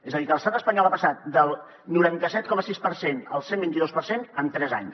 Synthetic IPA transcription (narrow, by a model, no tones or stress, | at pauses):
ezəðikələst̪at̪əspəɲɔlˠapəsat̪̚d̪əlˠ | nuɾant̪əsɛt̪̚kɔməsispəɾsenə̰lˠsembint̪iðospəɾsenəmt̪ɾɛza̰ɲs